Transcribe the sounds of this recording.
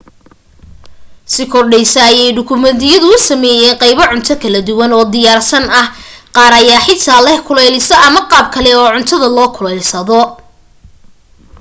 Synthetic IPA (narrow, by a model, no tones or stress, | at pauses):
sɪkʰɔrɖɛjsɐːjɛjɖʊkʰʊmɛðɪjɐðʊʊsɐmɛːjɛːnqɑjβɐʕʊnt̪ʰɐkʰɐlɐd̪ʊwɐnɔːd̪ɪjaːrsɐnɐhqɑːɾɐjaːħɪt̪ʰaːlɛhkʰʊlɛjlɪsɐʔɐmɐqɑːb̚kʰɐlɛɔːʕʊnt̪ʰɐðɐlɔːkʰʊlɛjlsɐðɔ